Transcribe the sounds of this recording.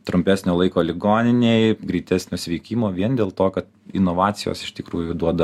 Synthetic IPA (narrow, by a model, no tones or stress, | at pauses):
t̪ɾʊmʲpʲæːsʲnʲoːlˠɐɪkoːlʲɪɡoːnʲɪnʲeɪɡɾʲiːt̪ʲæsʲnʲoːsʲʋʲɛːkʲiːmoːʋʲiɛnd̪ʲeːlˠt̪oːkɐt̪ɪnoːʋɑːt͡s̪ʲɪjo̰ːsɪʃt̪ʲɪkɾuːjʊd̪uɔd̪ɐ